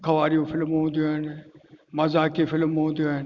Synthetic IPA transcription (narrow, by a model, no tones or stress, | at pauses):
kʰɐʋaːɾijõfɪlmɦũːnd̪ijoaːɦɪnɪmɐzaːkefɪlmɦũːnd̪ijoaːɦɪnɪ